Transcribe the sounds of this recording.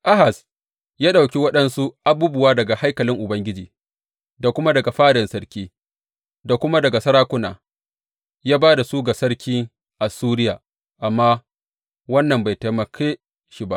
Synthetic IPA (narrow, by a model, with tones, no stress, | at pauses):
ʔa˦ɦa˨s | jaː˦ɗa˨wkʲi˦wɐ˦ɗɐ˦nsu˦ʔa˨buː˦bʊ˨waː˦dɐ˨ɡa˨ha˦jkɐ˨lɪ˦ŋʔʊ˨bɐ˦ŋɡʲɪ˦d͡ʒiː˨ | da˨kʷʊ˦ma˦dɐ˨ɡa˨ɸaː˦dɛ˨nsɐ˦ɾkʲiː˦ | da˨kʷʊ˦ma˦dɐ˨ɡa˨sɐ˦ɽaː˦kʷʊ˦na̰ː˨ | jaː˦baː˦da˨suː˦ɡa˨sɐ˦ɽkʲiː˦ | ʔa˨suː˦ɾɪ˦jaː˨ | ʔa˨mːaː˦ | wɐ˦nːɐ˨mba˨jta˨mɐ˨kʰe˦ | ʃi˦ba̰˦ʔ